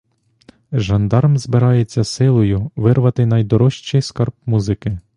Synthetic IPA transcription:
ʒɐnd̪ɑɾmzbɪɾɑjet͡sʲːɐsɪlˠɔjʊʋɪrʋɐt̪ɪnɐjd̪ɔɾɔʃt͡ʃɪjskɐrp̚muzɪkɪ

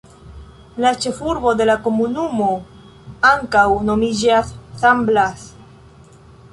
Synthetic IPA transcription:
lat͡ʃe̞fuɾbo̞de̞lako̞munumo̞ | aŋkawno̞mid͡ʒasːamblas

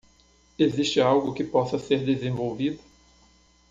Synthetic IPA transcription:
eziʃt͡ʃɪawɡʊkɪpɔsɐseɾd̪ezẽvowvid̪ʊ

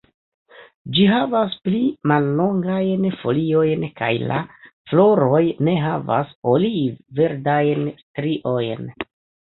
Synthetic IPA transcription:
d͡ʒiɦavasplimalːo̞ŋɡajnfo̞lio̞jnka̰jla̰flo̞ɾo̞jne̞ɦava̰solive̞ɾdajnstɾiʔo̞jn

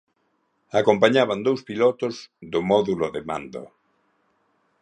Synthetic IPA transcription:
akompaɲaβ̞and̪owspilɔt̪ozðʊmɔðuloðemã̰nd̪o̰

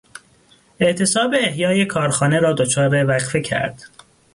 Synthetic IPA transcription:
eʔt̪ʰe̞sɒːbeːhjɒːje̞kʰɒːɾxɒːneɾɒːd̪ot͡ʃʰɒːɾevæɣfecʰæ̰ɾd̪̥

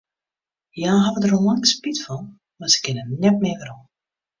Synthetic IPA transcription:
jaːɦavədəɾəlaŋspitfɔn | masə̥kɪnənɛtmɪːvəɾɔn

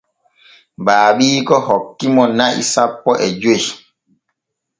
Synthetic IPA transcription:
ɓaːɓiːkɔhɔkːimɔnaʔḭsapːɔʔɛd͡ʒoj

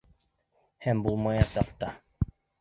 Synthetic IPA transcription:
hɛmbulˠmajɑsap̚t̪a

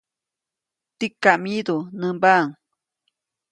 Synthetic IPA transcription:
t̪ikːamid̪unəmbaːŋ

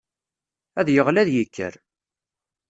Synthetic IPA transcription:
æðjəʁlæðjikʰːə̰ɾ

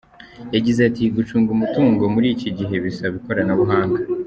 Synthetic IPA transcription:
jaɟizeatiɡut͡ʃuːŋɡumutuːŋɡo̞muɾiːciɟiɦe̞βisaβiko̞ɾanaβuɦaːŋɡa

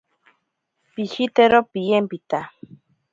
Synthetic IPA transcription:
piʃit̪eɾopijempit̪a

